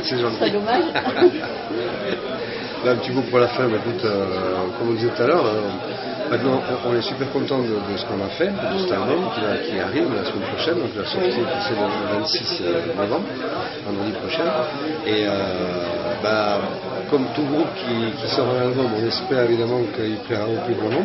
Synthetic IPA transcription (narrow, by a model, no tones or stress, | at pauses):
sɛʒɑ̃t̪id̪maʒ | bɛɛ̃pət̪imopuʁlafɛ̃bɛkut̪økɔmɔ̃d̪izɛt̪ut̪alœʁø | mɛ̃t̪nɑ̃ɔ̃ʔɔ̃nɛsypɛʁkɔ̃t̪ɑ̃d̪əd̪əsə̥kɔ̃nafɛpk̪əsɛt̪albɔmkʲivakʲiaʁivlasəmɛnpχɔʃɛnd̪ɔ̃ŋkivasɔʁt̪ikisɛləvɛ̃t̪sisønɔvɑ̃bʁ | vɑ̃d̪ʁəd̪ipχɔʃɛn | eø | ba | kɔmt̪uəɡʁupkʲʰikʲisɔʁɛ̃nalbɔmɔ̃nɛspɛʁevid̪amɑ̃kəilplɛʁaoplyɡʁɑ̃nɔ̃